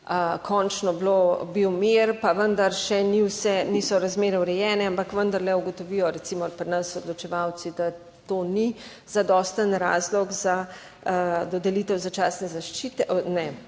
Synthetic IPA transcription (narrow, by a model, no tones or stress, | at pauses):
əkʰɔnt͡ʃnɔblobiwmeɾpaʋənd̪ɐɾʃɛniwsɛnisɔɾazmeːɾɛwɾɛjɛːnɛampakʋənd̪ɐɾlɛuɡɔt̪ɔʋijɔɾɛt̪simɔpɾinɐsɔd̪lɔt͡ʃɛʋaw̪sid̪a | t̪oni | z̥ad̪ɔːst̪ənɾa̰ːzlɔɡza | d̪ɔd̪ɛliːt̪ɛwzat͡ʃaːsnɛzaʃt͡ʃit̪ɛʔnɛ